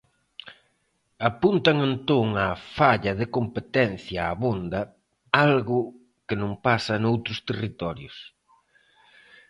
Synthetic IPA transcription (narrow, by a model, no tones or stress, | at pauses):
apunt̪ɐŋent̪oŋafaʎɐðɪkompet̪ɛn̟θjɐaːβond̪ɐ | alɣʊ | kɪnõŋpasɐnowt̪ɾʊst̪erit̪ɔɾjʊs